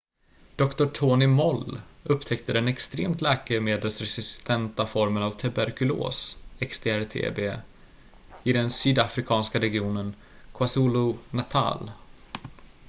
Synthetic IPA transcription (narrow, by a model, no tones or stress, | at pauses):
d̪̥ɔkt̪ʊʈʰoːnɪmɔlːɵpːt̪ʰɛkt̪əd̪ɛnɛkst̪ɾḛːmt̪lɛːkəmeːd̪əlsɾɛsɪsst̪ʰɛnt̪afɔɾmənavt̪ʰabæɾkɵlo̰ːsɛkst̪ʰeːæɾt̪ʰḛːbeː | ɪd̪ɛnsyːd̪afɾɪkʰɑːnskaɾɛɡɪuːnən | kʰwasuːlʊnat̪ʰa̰ːl